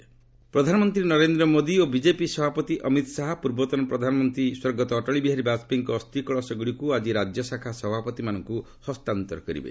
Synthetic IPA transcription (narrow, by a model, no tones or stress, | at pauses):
pɾɔd̪ʱanɔmɔnt̪ɾinɔɾend̪ɾɔmod̪iobid͡ʒepisɔbʱapɔt̪iʔɔmit̪ɔsaɦɔpuɾbɔt̪ɔnɔpɾɔd̪ʱanɔmɔnt̪ɾiswɔɾɡɔt̪ɔːʈɔɭibiɦaɾibat͡ʃpiŋkɔːst̪ikɔɭɔsɔɡuɽikuad͡ʒiɾad͡ʒjɔsakʰasɔbʱapɔt̪imanɔŋku | hɔst̪ant̪ɔɾɔkɔɾḭbḛ